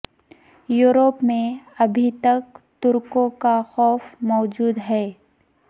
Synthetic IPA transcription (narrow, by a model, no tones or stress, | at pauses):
juːɾoːpmẽɐbʱit̪ɐk̚t̪ʊɾkõkaxɔːfmɔːd͡ʒuːd̪ɦɛː